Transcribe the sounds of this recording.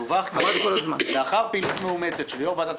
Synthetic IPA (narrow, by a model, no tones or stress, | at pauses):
uvaχamad̪kolazma̰veaχaʁpilut̪meumet͡set̪ʃeljovad̪at̪